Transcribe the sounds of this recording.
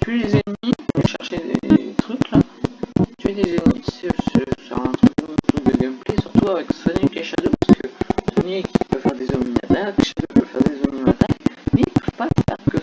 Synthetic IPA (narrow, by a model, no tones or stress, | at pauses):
t̪yɛd̪ezenmiɛʃɛʁʃed̪ḛet̪χykla | t̪yɛd̪ezenmiøssy̰ʁɛ̃t̪χyk̚d̪ɔ̃t̪ykd̪əɡɛmplesyʁt̪uavɛksɔnikeʃad̪opaskəsɔnikʲipœvfɛʁd̪ezɔmima̰t̪akʃad̪opœvfɛʁd̪ezɔmimat̪akmɛipəvpafɛ̰ʁkə